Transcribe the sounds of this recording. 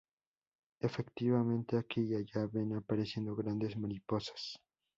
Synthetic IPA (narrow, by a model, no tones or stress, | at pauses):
efe̞kt̪iβamẽ̞nt̪e̞akiʝaʝaβenapaɾe̞sje̞nd̪o̞ɣɾand̪e̞zmaɾipo̞sḁs